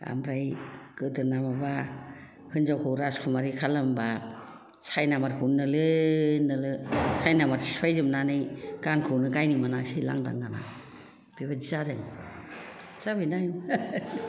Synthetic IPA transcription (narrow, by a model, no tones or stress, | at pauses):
a̰mɾajkɯtɯnamaba | hɯnd͡ʒawkʰɯwɾaskʰumaɾikʰalɯmba | sajnamaɾhunːɯlɯnɯlɯsajnamaɾswajdɯmnanɯjɡ̥aŋkʰɯwnɯkajnimanasila̰ŋda̰ŋɡana̰ | b̥iβad͡ʒizadeŋ | zabɯjndajn